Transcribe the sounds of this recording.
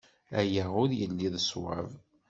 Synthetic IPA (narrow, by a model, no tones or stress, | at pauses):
æjəʁʊðjəlːiðəswa̰v